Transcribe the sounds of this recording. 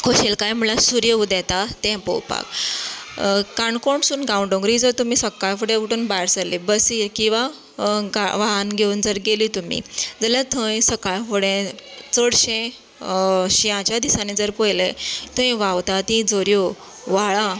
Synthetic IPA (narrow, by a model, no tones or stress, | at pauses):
kʰoɕelkajm̤ulasuɾjəud̪ɛt̪at̪ɛ̃pɔ̰wpa̰k | kaɳkoɳsuːnɡauɳɖõŋɡɾid͡zəɾt̪umisəkːajfuɽẽkuʈuːnbajɾd͡zəlːibəsiːɾkĩw̃ʋa | aʋaɦanɡʱeund͡zəɾɡelit̪um̤ḭd͡zəlat̪ʰə̃jsəkajfuɽẽt͡səɽɕẽ | ɕiãt͡ɕjad̪isaned͡zəɾpojlet̪ʰə̃jʋawt̪at̪ĩd͡zoɾjo | ʋaɭa